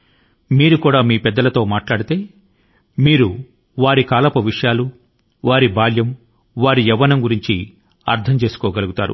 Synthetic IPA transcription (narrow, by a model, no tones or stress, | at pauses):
miːɾukuːɽaːmiːpɛd̪ːɐlɐt̪o̞ːmaːʈlaːɽit̪e̞ː | miːɾu | ʋaːɾikaːlɐpɐʋiʂɐjaːlu | ʋaːɾibʱaːljɐm | ʋaːɾiɛʋːɐnɐmɡuɾiɲt͡ʃi | ɐɾt̪ʰɐmt͡ʃe̞ːsu̥kɔːɡɐluɡut̪a̰ːɾṵ